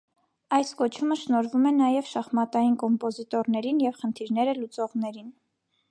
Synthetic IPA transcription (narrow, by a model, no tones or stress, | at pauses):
ɑjskɔt͡ʃʰuməʃnɔɾvumɛnɑjɛvʃɑχmɑt̪ɑjinkɔmpɔzit̪ɔɾnɛɾinjɛvχənt̪ʰiɾn̪ɛɾəlut͡sɔʁnɛɾin